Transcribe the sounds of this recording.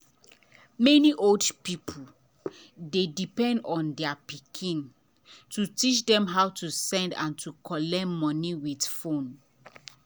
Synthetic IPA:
mɛniʔoldpipʰul | dedipɛ̃ndɔ̃ndɛapikʰĩn | tutit͡ʃdɛ̃mɦawtusɛ̃ndã̰ntʰukʰɔlɛmɔniwidfõn

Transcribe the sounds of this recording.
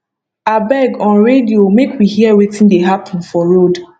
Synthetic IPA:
abɛɡɔ̃nɹediomekʰwihiəwetĩndeɦapʰə̃nfɔɹod

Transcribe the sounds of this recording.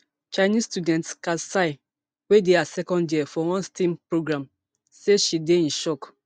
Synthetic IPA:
t͡ʃaɪnistudɛ̃ntskasaɪ | wedeasɛkɔ̃ndjifɔwɔ̃nstĩmpɾoɡɾãm | seʃideĩnʃɔk

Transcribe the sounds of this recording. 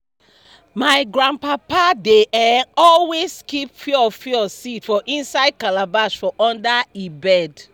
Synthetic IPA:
maɪɡɹãnd̚papadeʔɛ̃ɔlweskipfiɔfɔsitfɔʔĩnsaɪd̚kalabaʃfɔʔɔ̃ndaibɛd

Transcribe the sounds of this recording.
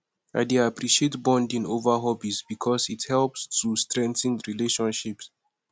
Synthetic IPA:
a̰ɪdeapʰɹiʃietbɔ̃ndĩnovəɦɔbisbikʰɔsithɛlpstʰustɹɛ̃ntə̃nɹileʃɔ̃nʃips

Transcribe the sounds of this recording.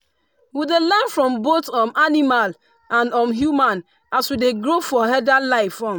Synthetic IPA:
widelɛnfɹɔ̃mbotɔ̃manimal | ãnɔ̃mɦjumãn | aswideɡɾofɔɦɛdalaɪfɔ̃m

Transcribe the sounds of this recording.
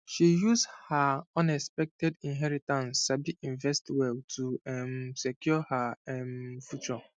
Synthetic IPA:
ʃijuzshaɔ̃nɛkspɛk̚tɛdĩnɦɛɹitãnsabiʔĩnvɛstwɛltʰuɛmsɛkjɔhaɛmfjut͡ʃɔ

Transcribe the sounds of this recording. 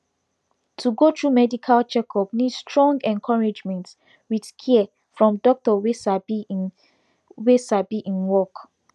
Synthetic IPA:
tʰuɡotʰɹumɛdikʰalt͡ʃɛkʰɔpnidstʰɹɔ̃ŋɡɛ̃nkʰɔɹed͡ʒmɛ̃nt | widkʰiɛ | fɹɔ̃mdɔk̚tɔwesab | wesabiʔĩnwɔk

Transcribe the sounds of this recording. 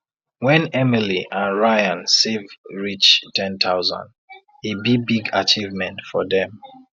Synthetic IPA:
wɛ̃nɛmiliʔãnɹajãnsevɹit͡ʃtʰɛ̃ntʰaʊzã̰nd | ibibiɡat͡ʃivmɛ̃ntfɔ̰ðɛ̃m

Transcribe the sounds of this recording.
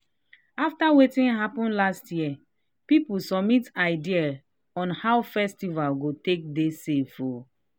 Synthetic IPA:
aftawetĩnɦapɔ̃nlastjiɛ | pipusɔbmitaɪdial | ɔ̃nhawfɛstivalɡotek̚desefo

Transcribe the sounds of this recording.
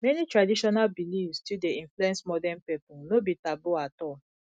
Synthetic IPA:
mɛnitɹadiʃɔnalbilifstudeĩnfluɛ̃nsmɔdɛnpɛpɔ̃nobitaboatɔ

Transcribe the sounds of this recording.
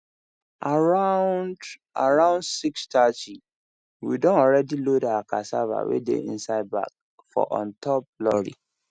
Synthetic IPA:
aa | a̰ɹãʊ̃nsikstʰat͡ʃi | wḭdɔ̃nɔɹɛdilodaakʰasava̰wḛdḛḭ̃nsaɪd̚ba̰k̚ | fɔ̰ʔɔ̰̃ntʰɔp̚lɔɾḭ

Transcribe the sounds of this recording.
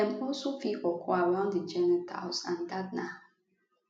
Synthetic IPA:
ɛ̃mʊsufiʔɔkʰɔaɹãʊ̃ndəd͡ʒɛnɛtʰa̰lsãndadna

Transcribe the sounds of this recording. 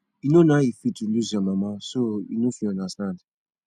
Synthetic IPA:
inonãifituluzɔmãmãsoḭnofiɔ̃ndastãnd

